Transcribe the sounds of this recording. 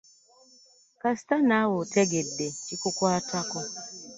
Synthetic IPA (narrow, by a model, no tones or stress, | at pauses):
kastanawotʰɛɡedːekikukwatakɔ